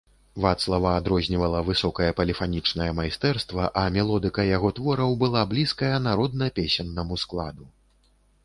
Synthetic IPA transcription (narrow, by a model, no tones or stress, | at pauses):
vat̪slˠɐvɐːd̪ɾɔzʲnʲivɐlˠɐvɨsɔkɐjɐpɐlʲifanʲit͡ʂnɐjɐmajst̪ɛrst̪vɐʔɐmʲɛlˠɔd̪ɨkɐjaɣɔt̪vɔɾɐwbɨlˠablʲiskɐjɐnaɾɔd̪̚nɐpʲesʲɛnːɐmusklˠad̪u